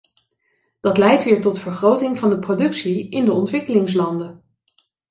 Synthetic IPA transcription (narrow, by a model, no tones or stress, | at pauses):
d̥ɑtlɛjtʋɪːɹtɔtfəɹχrowtɪŋvɑndəprowdɵksiɪndəɔntʋɪkəlɪŋslɑndə